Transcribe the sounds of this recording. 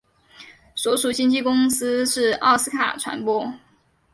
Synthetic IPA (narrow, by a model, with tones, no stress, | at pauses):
swɔ˧˥ʂu˨˩t͡ɕi˥ŋt͡ɕi˥˩kʊ˥ŋs̩˥ʂɻ̩˥˩ɑ̰˥˩ʊs̩˥kʰa̰˨˩ʈ͡ʂʰwa̰˧˥npwɔ˥